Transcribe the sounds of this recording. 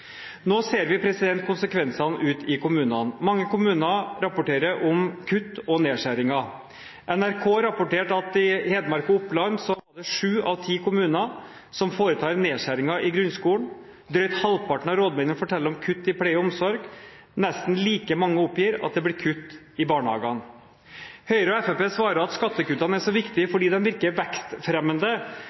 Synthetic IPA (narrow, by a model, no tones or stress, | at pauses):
noːseːɾʋɪpʰɾɛsɪd̪ɛnt̪̚kʰʊnsəkʰʋɛnsɑnʔʉːt̪ʰɪkʊmʉːnɑnmɑŋːəkʊmʉːnɑɾɑpʊʈeːɾəʔɔmkʰʉt̪ːɔneːʂæɾɪŋɑ | ʔɛnæɾkʰoːɾɑpʊʈeːʈɑt̪ɪheːd̪mɑɾkʊʊpːlɑnsɔɑɖɛʂʉːʔɑʋt̪ʰiːkʊmʉːnə | sɔmfoːɾət̪ʰɑːɾneːʂæɾɪŋɑʔɪɡɾʉnskuːəɳ | d̪ɾœʏt̪hɑlpʰɑʈɳ̩ɑɾoːd̪mɛɪnənfɔʈʰɛlːəɾɔmkʰʉt̪ːɪpʰlɛɪəɔmsɔɾɡ | nɛst̪n̩liːkəmɑŋːəɔpːjiːɾɑ̰t̪̚d̪ɛblɪːkʰʉt̪ː | ɪbɑːɳəɑ̰ːɡɑn | hœʏɾɔɛfɛpeːsʋɑːɾəɾɑt̪skɑt̪ːəkʉt̪ːɑnəæʂɔʋɪkt̪ɪəfɔɖiːd̪ɛnʋɪɾkəɾʋɛkst̪fɾɛmːənd̪ə